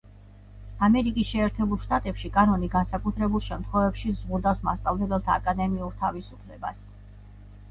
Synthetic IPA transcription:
amɛɾikʼisʃɛːɾt̪ʰɛbulˠʃt̪ʼat̪ʼɛpʃikʼanɔniɡansakʼut̪ʰɾɛbulˠʃɛmt̪ʰχwɛvɛpʃizʁud̪afsma̰st̪sʼavlɛbɛlˠt̪ʰaːkʼad̪ɛmiuɾt̪ʰavisupʰlɛba̰s

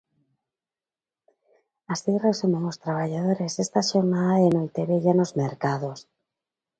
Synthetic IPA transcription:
asiresomoŋost̪ɾaβaʝaðoɾesest̪aʃoɾnaðaðenojt̪eβeʝanozmeɾkaðos

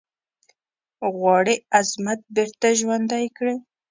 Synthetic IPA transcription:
ɣwɑɽiazmat̪̚beɾt̪aʒwand̪ajkɽi

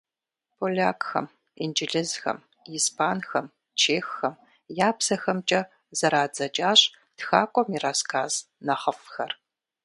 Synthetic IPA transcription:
pʰolʲaːkʼxɐ̰m | ind͡ʒɪɮɪzxɐ̰m | ispʰaːnxɐm | t͡ʃʰeːxːɐm | jaːpsɐxɐmt͡ʃʼɐ | z̥ɐɾaːd͡zɐt͡ʃʼaːɕʼ | txaːkʷʼɔmiɾaːskʰaːz̥ | nɐχɐfxɐr

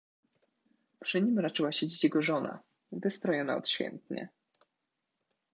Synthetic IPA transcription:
pʂɘɲimɾat͡ʂɘwaɕed͡ʑit͡ɕjɛɡɔʐɔna̰ | vɘst̪ɾɔjɔna̰ɔ̰t̪ɕfʲjɛ̰nt̪ɲɛ̰

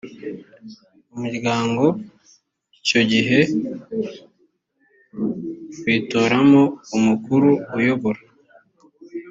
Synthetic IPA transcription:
umuɾɡaːŋɡo̞ | ico̞ɟiɦe̞ | wiːtoːɾamo̞umukuɾuujo̞βo̞ɾa

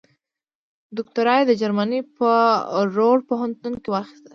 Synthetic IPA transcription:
d̪ʊk̚t̪aɾɑjd̪əd͡ʒaɾmanipəɾoɽpoɦant̪unkewɑxi̥st̪a

